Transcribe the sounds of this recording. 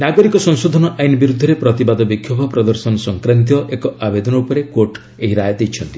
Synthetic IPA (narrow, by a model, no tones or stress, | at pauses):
naɡɔɾikɔsɔŋsod̪ʱɔnɔʔajnɔbiɾud̪ʱːɔɾepɾɔt̪ibad̪ɔbikʰːjobʱɔpɾɔd̪ɔɾsɔnɔsɔŋkɾant̪̬ijɔʔekɔabed̪ɔnɔupɔɾekoɾʈ | eɦiɾajɔd̪ejt͡ʃʰɔnt̪i̥